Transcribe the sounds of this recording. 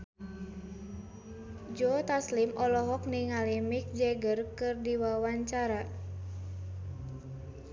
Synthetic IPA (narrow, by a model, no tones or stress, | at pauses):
d͡ʒɔt̪aslimʔɔlɔɦɔk̚niŋalimik̚d͡ʒɛɡərkɨrdiwawaɲt͡ʃaɾa